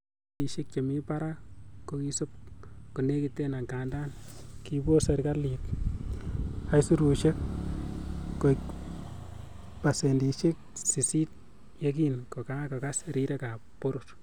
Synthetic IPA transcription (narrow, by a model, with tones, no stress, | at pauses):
i˨ʃe˦k̚t͡ʃe˨mi˦pa˦ɾa˦ko˦ki˦so˦p̚ku˨ne˦ki˨te˦na˨ŋka˨nda˦n | ki˦bo˦se˨ɾka˦li˨k | a˨jsu˦ɾu˨ʃe˦k̚ | o˨k | pa˨se˨ndi˨ʃe˦k̚si˨si˦t̚ | je˦k̬i˨nko˨ka˦ka˨ka˦sɾi˦ɾe˦ka˨po˦ɾʊr